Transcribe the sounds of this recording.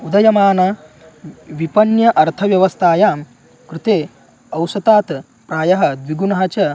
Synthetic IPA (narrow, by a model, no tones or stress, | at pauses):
ud̪ɐjɐmaːnɐ | ʋipɐnjɐʔɐɾt̪ʰɐʋjɐʋɐst̪ʰaːjaːm | kɾɪt̪eː | ɐwsɐt̪aːt̪ | pɾaːjɐɦɐ̆d̪ʋiɡunɐɦɐt͡ʃɐ